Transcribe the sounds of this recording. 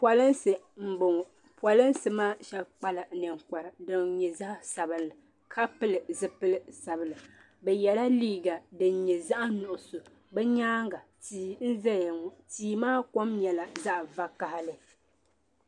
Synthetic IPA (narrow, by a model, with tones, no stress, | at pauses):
pwa˨lɨ˦nsɨ˨ | m̩˨bʊ˨ŋ˨ | pɔ˨lɨ˦n˦sɨ˨maː˦ʃɛ˦bk͡pa˦la˨nɨ˨ŋkɔ˨ɾɨ˨dɨ˨ŋɲɛ˨za˦hsa˨bɨ˨nːɨ˨ | kʰa˦pɨ˦lɨ˨zɨ˦pɨ˦lɨ˦sa˨bɨ˨lɨ˨ | bɛ˨jɛ˨la˦liː˦ɡa˨dɨ˨nɲɛ˨za˦ʔa˦nʊ˨ʔʊ˨so˨ | bɛ˦ɲaː˦ŋɡa˨tiː˨n̩˦zɛ˦ja˨ŋ˦tiː˨maː˦ko˦mɲɛ˨la˨za˦ʔva˦ka˨ha˦lɨ˨